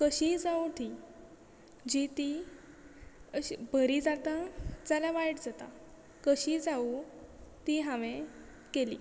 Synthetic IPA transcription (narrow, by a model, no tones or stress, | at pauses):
kəɕid͡zaut̪i | d͡ʑit̪i | əbʱəɾid͡zat̪ad͡zalaʋajʈd͡zat̪a̰ | kəɕid͡zau | t̪iɦãʋẽ | kelḭː